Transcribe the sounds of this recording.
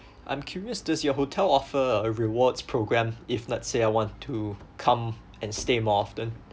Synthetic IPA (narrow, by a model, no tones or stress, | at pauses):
ʔã̰ɪ̃mkʰjuɹiəsd͡ʒəsjɔɦotʰɛlɔfəəɹiwɔdspʰɹoɡɹɛ̃mɪfnɔtseaɪwɔ̃ntʰːukʰãm | ɛ̃nstemɔɔftə̃n